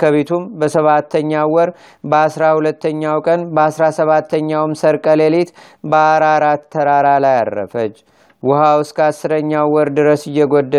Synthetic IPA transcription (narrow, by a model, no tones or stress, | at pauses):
kʰəβet̪ʰumbəsəβat̪ʰːəɲːawɔɾ | bəasɾahulət̪ːəɲːawkʼənbəasɾasəβat̪ʰːəɲːawmsəɾkʼəlelet̪ | bəaɾaɾat̪ʰːəɾaɾalaja̰rːə̰fət͡ʃː | wʊhawskʰəasːɨɾəɲːawwɔɾd̪ɨɾəsɨjːɛɡod̪ːə